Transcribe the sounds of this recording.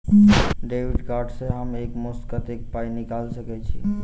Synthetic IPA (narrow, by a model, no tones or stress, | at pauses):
ɖebiɖkaɾɖsẽɦəmekmust̪kət̪ekpajnikalsəkɛt͡ʃʰi